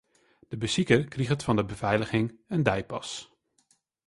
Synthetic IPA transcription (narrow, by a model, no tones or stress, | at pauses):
d̥əbəsikərkriχətfɑndəbəv̥ɛjləχɪŋəndɛjpɑ̰s